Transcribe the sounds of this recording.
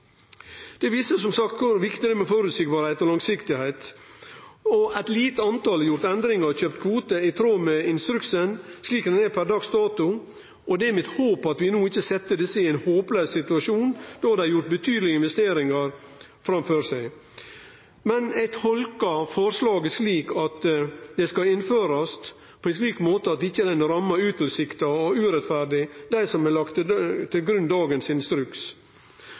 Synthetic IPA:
d̪̥ɛʋiːsəsɔmsɑkt̪kʰʊɾʋɪkt̪ɪɾəmɛfɔɾʉːt̪sɪk̚bɑːɾhæɪt̪ɔlɑŋsɪkt̪ɪhæɪt̪ | ɔæɪt̪liːt̪əɑnt̪ɑljʊɾt̪ɛnd̪ɾɪŋəçøːp̚t̪kʰʋuːt̪əɪt̪ʰɾoːmɛɪnst̪ɾʉksənsliːkd̪ɛnɛpʰæɾd̪ɑːɡst̪ɑːt̪ʊ | ʔɔd̪ɛmɪt̪hoːpɑt̪ʋɪnuːɪçəsɛt̪ːəd̪ɛsːəɪæɪnhoːpløːssɪt̪ʉɑʃuːnd̪̥ɔɑɾd̪ɛɾjʊɾʈ̪̚bət̪ʰyːd̪lɪəɪnʋɛst̪eːɾɪŋɑɾ | fɾɑmføːɾsæɪ | mɛnæɪt̪hɔlkɑfɔɾslɑːɡɛʂliːkɑt̪d̪ɛskɑɪnføːɾɑst̪ | pʰoɔɛns̬liːkmoːt̪əɑt̪̚ɪçːəd̪ɛnɾɑmːɑʉːt̪ʰl̩sɪkt̪ɑɔʉːɾɛt̪fæɾɖɪd̪æɪsɔmɛlɑkt̪t̪ʰɪlɡɾʉnːd̪ɑːɡənsɪnst̪ɾʉks

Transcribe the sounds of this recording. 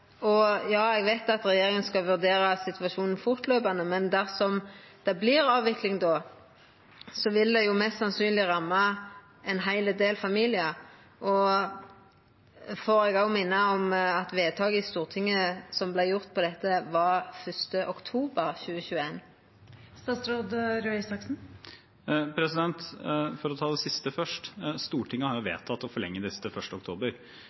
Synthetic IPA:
ɔjɑːɛɡʋæɪt̪ɑt̪ɾɛjeːɾɪŋənskɑʋʉʁd̪eːɾɑsɪt̪ʰʋɑʃuːnn̩fʊʁt̪løːpɑnəmɛnd̪æʁsɔm | d̪̥ɛblɪɾɑːʋʋɪklɪŋd̪ɔː | sɔʋɪld̪ɛjʊmɛst̪sɑnsyːnlɪʁɑmːɑ | ɛnɦæɪləd̪eːlfɑmiːlɪə | ʔɔ | fɔɾɛɡɑʊmɪnːəɑɔmɑt̪ʋeːt̪ʰɑːɡəɪst̪uːʁt̪ʰɪŋːəsɔmblæɪjʊʁt̪̚pʰɔd̪ɛt̪ːəʋɑʁfœst̪əʔɔkt̪ʰuːbəʁçʉːəçʉːeːn | st̪ɑːt̪sɾoːd̪ɾœɪsɑksn̩ | pʰɾɛsɪd̪ɛnt̪fɔɾɔt̪ʰɑːd̪ɛsɪst̪əfœʂʈst̪uːʈɪŋːəhɑɾjʊʋḛːt̪ʰɑt̪ːɔfɔɭɛ̰ŋːəd̪ɛsət̪əfœʂʈəɔkt̪ʰoːbəɾ

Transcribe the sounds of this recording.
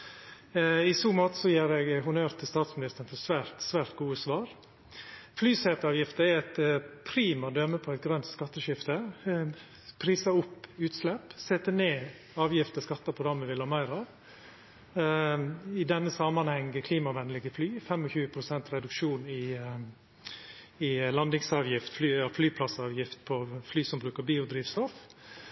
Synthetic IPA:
ɪsuːmoːt̪əsɔjeːɾɛɡɦʊnøːɾt̪ʰəst̪ɑːt̪smɪnɪst̪ənfɔsʋæːɾt̪sʋæːɾt̪ɡuːəsʋɑːɾ | flyːsɛt̪ɑːʋjɪft̪əɛɾɛt̪pʰɾiːmɑd̪œməpʰɔɛt̪̚ɡɾœnt̪skɑt̪ːəʃɪft̪ə | pʰɾiːsɑʊpːʉːt̪slɛpsɛt̪ːəneː | ɑːʋjɪft̪əskɑt̪ːɑpʰɾʊd̪ɾɑmːəʋɪlɑmæɪɾɑ | ɪd̪ɛnːəsɑmɑnhɛŋəkʰliːmɑʋɛnlɪɡəflyːfɛmɔçʉːəpʰɾʊsɛnt̪ɾɛd̪ʉkʂuːnɪ | ɪlɑnd̪ɪŋsɑːʋjɪft̪flyːɑflyːpʰlɑsɑːʋjɪft̪pʰɔflyːsɔmbɾʉːkəɾbiːʊd̪ɾiːʋst̪ɔf

